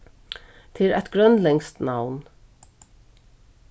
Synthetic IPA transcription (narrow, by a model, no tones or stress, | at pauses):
t̪ʰɪlɛ̰t̪ɡɾœnlɛŋst̪nawn